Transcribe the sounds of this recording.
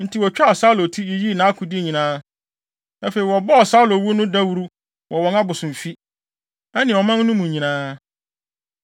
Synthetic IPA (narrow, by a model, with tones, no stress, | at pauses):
n̩˨tʰi˨wɔ˨t͡ɕᶣa˦ɔ˨sa˦lo˨tʰi˦e˨ji˦˨nã˨˦a˦kʰʊ˨di˦˨ɲĩ˨nãː˦ | a˦fe˨i˨wɔ˨bɔ˦ɔ˨sa˦lo˨wu˦nʊ̃˦da˦wu˦ɾu˦ | wʔɔ˨wɔ̃˨na˦bʊ˨sʊ̃˨m˨fi˦ | ɛ˦nɪ̃˨ɔ˨mã˦n˦nʊ̃˦mũ˨ɲĩ˨nãː˦